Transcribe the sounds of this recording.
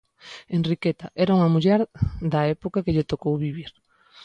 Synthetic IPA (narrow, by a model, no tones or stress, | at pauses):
enrikɛt̪ɐʔɛɾauŋɐmuʎɛɾðɐɛpokɐkeʎet̪okowβiβiɾ